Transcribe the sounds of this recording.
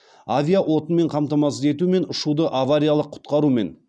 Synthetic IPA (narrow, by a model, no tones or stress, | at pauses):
avʲijaʔo̞t̪ənme̞ɴqʰɑmt̪ɑmɑs̬əze̞t̪ume̞nʊʃud̪əʔavaɾʲijalˠəqʰːʊ̥t̪qɑɾume̞̰n